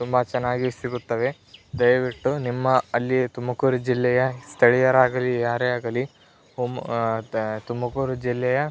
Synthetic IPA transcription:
t̪umbɐt͡ʃɛnːaːɡisiɡut̪ːɐʋe̞ | d̪ɐjʋiʈːunimːɐɐlːit̪umːɐkuːɾud͡ʒilːɛjɐst̪ʰɐɭijɐɾaːɡɐlijaːɾeaːɡɐli | um | t̪umbɐkuːɾud͡ʒilːɛjɐ

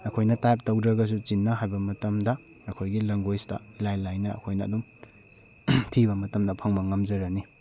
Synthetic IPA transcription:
ɐkʰojnɐtajp̚tɐwdɾɐɡɐs̬ut͡ʃinːɐɦajbɐmɐtɐmdɐː | kʰojɡilɐŋɡojstɐ̰ilajlajnɐɐ̰kʰojnɐːdum | tʰibɐmɐtɐmdɐpʰɐŋmɐŋɐmd͡ʒɐɾɐni

